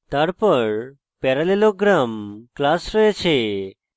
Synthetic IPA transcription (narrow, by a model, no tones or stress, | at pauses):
t̪aɾpɔɾ | pɛɾaleloɡɾamklasɾɔet͡ɕʰe